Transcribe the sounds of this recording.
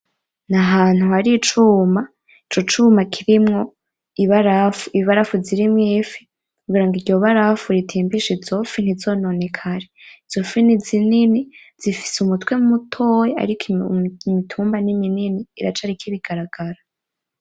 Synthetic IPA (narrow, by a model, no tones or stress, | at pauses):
naɦaːn̥huhaɾit͡ʃuːma | it͡ʃo̞t͡ʃumakʰiɾimŋo̞ | iβaɾafuiβiβaɾafuziɾimŋiːfi | uɡiːɾaŋɡiɾɟo̞βaɾafuɾitʰiːmbiʃizo̞fin̥izo̞ːno̞ne̞kʰaɾeiz̥ofinizinini | z̥ifi̥seumutwe̞mumutʰojea̰ɾikimitʰuːmbanimininiːɾat͡ʃaɾikiβiɡ̥aɾaɡ̥aɾa